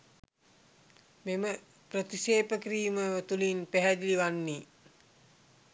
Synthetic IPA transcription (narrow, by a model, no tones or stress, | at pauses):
memə | prət̪iseːpəkɾiːməʋət̪ulinpæɦɛd̪iliʋanːi